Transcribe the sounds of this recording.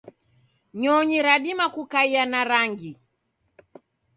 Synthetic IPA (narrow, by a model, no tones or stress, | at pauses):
ɲɔɲiɾaɗimakukaianaɾaŋɡi